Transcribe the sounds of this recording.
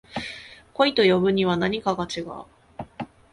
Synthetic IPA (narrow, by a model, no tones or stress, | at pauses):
ko̞it̪o̞jo̞bɯ̟ɲ̟iβ̞anaɲ̟ikaɡat͡ɕiɡa̰ɯ̰